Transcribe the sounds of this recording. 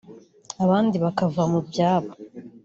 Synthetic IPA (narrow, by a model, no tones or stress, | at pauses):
aβaːndiβakavamubjaːβa